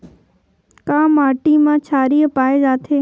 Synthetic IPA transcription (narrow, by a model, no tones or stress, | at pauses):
kãːmaːʈimãːt͡ʃʰaːɾijəpaːed͡ʒaːt̪ʰeː